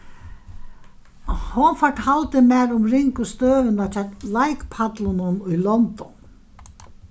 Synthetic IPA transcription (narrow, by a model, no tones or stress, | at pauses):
hɔnfaʈhalt̪ɪmɛːɾʊmɾɪŋkʊst̪œːvɪnat͡ʃʰalajkpʰat̪lʊnʊnʊjlɔnt̪ɔn